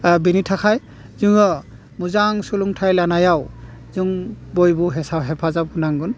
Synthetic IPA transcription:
binitʰakʰaj | zɯŋɔ | muzaŋsuluŋtʰajlanajawzɯŋbojbuɦɛsawɦɛpʰazab̚hunaŋɡɯn

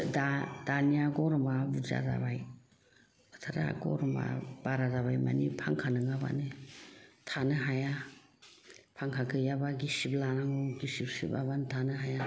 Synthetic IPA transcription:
dad̥aniaɡɔɾɔmabud͡ʒa̰da̰baj | batʰaɾa̰a̰ɡɔ̰ɾɔma̰b̥aɾadaβajma̰nipʰaŋkʰanɯŋaba̰nɯ | tʰanɯɦaja | pʰaŋkʰakʰɯjabaɡisiblanaŋɔɡisibsḭba̰bantʰanɯɦaja

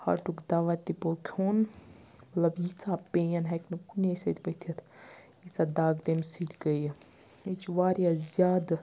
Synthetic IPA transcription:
hɐ̰ʈukd̪aʋat̪ːipokʲʰoːn | mɐt̪lɐbjit͡sapejɐnɦɐknɨkunʲesɐd̪ʲpət̪ʰɐt̪ʰ | jit͡sad̪aːɡd̪emsid̪ɡəj | it͡ʃʰʋaːɾjazʲjaːd̪

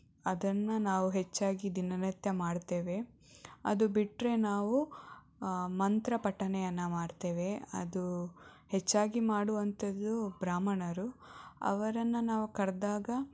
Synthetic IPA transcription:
ɐd̪ɐnːɐnaːʋuɦet͡ʃːaːɡid̪inɐnɐt̪jɐmaːɽt̪e̞ːʋe̞ | ɐ̰d̪ubiʈɾe̞naːʋu | mɐnt̪ɾɐpɐʈːɐnɛjɐnːɐmaːɽt̪e̞ːʋe̞ɐ̰d̪uhet͡ʃːaːɡimaːɽuʋɐnt̪ɐd̪ːubɾaːmɐɳɐɾuɐ̰ʋɐɾɐnːɐnaːʋukɐɾd̪aːɡɐ

